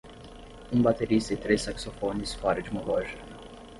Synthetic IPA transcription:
ũbat̪eɾist̪ɐɪt̪ɾesːaksofonɪspaɾɐd͡ʒumɐlɔʒik

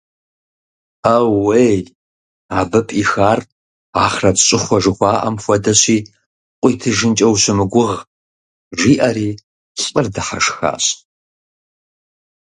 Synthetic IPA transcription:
awːej | aːbɐpʼixaːr | aːχrɐtɕʼɪχʷɐʒɨxʷaːʔɐ̰mfʷɐdɐɕiː | qʷʼiːtʰɨʒɨnt͡ʃʼɐwɕɨmɨɡʷʊʁ | ʒiːʔɐɾiː | ɕʼɨrdɨħa̰ʂxa̰ːɕ

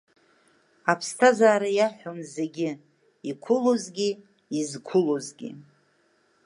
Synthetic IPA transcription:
apʰstʰazaːɾajaħʷᶣonze̞ɡʲɪ | ikʷʰʊlozɡʲi | izkʷʰʊlozɡʲḭ

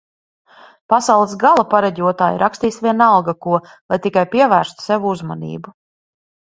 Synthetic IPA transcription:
pasawlˠɛs̬ɡalˠapaɾaɟʲuɔt̪aːjɾʔakst̪iːsvʲiɛnalˠɡakuɔ | lˠajt̪ikajpiɛvæːɾst̪u̥sɛvuuzma̰nḭːbu

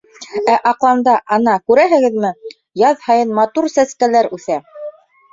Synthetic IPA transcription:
æʔɑqlˠɑnd̪ɑʔɑnɑkʉɾæɦɘ̆ɡɘ̆ðmɘ | jɑðhɑjɤnmɑt̪uɾsæskælæɾʉθæ

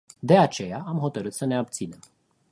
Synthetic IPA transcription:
d̪e̞at͡ʃe̞jaʔamɦo̞t̪əɾɨt̪səne̞ab̚t̪sine̞m

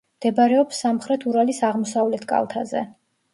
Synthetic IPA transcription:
md̪̥ɛbaɾɛɔpsːamχɾɛt̪ʰuɾalisaʁmɔsavlɛt̪ʰkʼa̰lˠt̪ʰazɛ̰

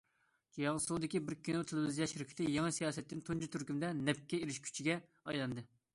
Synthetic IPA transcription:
jɑŋsud̪ɪkʲibɪɾkʲʰːinot̪ʰelɪwɪzijɑʃhɾɪkʰʲi̥t̪ʰɪjɑŋɨsijɑːsɛt̪ːɪnt̪ʰund͡ʒʰut̪ʰyɾkʲymd̪ɛnɛp̚kʲːɛiɾɪʃkʲʰy̥t͡ʃʰiɡʲɛ | ɑjlˠɑnd̪ɨ

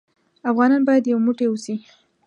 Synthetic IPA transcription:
afɣɑnɑnbɑjad̪jawemuʈewusi

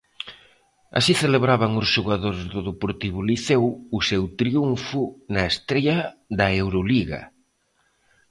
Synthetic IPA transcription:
a̰siθeleβɾaβɐŋʊsʒuɣaðoɾzðʊðepoɾt̪iβʊliθewusewt̪ɾiuɱfʊnɐest̪ɾeʎɐðɐewɾoliɣɐ̰

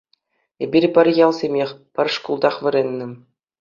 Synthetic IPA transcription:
ebʲirʲpʲɘ̆rʲjɑlˠsʲemʲexʲpʲɘ̆rʂkulˠd̪ɑχʋɘ̆ɾʲenʲːɘ̆

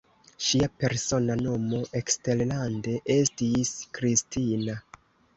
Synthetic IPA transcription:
ʃiape̞ɾso̞nano̞mo̞ʔekste̞llande̞ʔe̞stiskɾistina

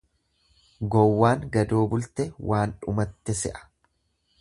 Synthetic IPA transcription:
ɡɔwːaːŋɡɐd̪o̞ːbʊlt̪ɛwaːnᶑʊ̰mɐt̪ːɛsɛʔɐ̥

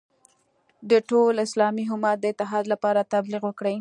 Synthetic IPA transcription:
d̪əʈolɪslɑmiɦʊmat̪̚d̪əɪt̪ɪɦɑd̪lapɑɾat̪ablɪqwəkɽəj

